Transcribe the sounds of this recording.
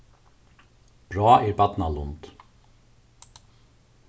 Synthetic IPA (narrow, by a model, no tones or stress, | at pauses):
b̥ɾɑːɛɾbɑt̪nalʊnt̪